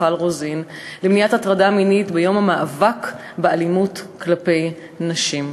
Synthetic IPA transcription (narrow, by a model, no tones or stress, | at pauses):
alʁozinlemnijatatʁadaminitbejo̞mamaʔːvak | bealimutklape̞j | naʃim